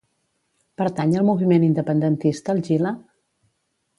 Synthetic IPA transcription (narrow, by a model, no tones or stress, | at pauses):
pəɾt̪aɲəlˠmuβimenind̪əpənd̪ənt̪ist̪əːlˠʒilə